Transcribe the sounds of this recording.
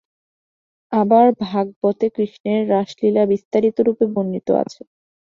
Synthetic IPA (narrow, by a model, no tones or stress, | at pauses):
abaɾbʱaɡ̚bɔt̪ekɾiʃneɾːaʃlilabist̪aɾit̪oɾupebonːit̪o̰a̰t͡ɕʰe